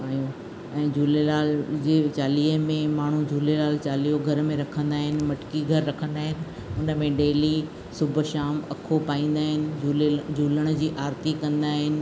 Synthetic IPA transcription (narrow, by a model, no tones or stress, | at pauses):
paːijũ | ɛ̃ːd͡ʑʱuːlelaːld͡ʑeːt͡ɕaːliːəmẽmaːɳ̤ud͡ʑʱuːlelaːlt͡ɕaːliːjoɡʱɐɾmẽɾɐkʰə̃nd̪aːɦɪnɪ̆mɐʈkiɡʱɐɾːɐkʰə̃nd̪aːɦɪnɪ̆ | ʊnə̆mẽɖeːli | sʊbʱəʃaːmɐkʰopaːĩːn̆d̪aːɦɪnɪ̆d͡ʑuld͡ʑʱuːləɽ̃̆d͡ʑiːʔaːɾt̪ikɐ̃nd̪aːɦɪnɪ̆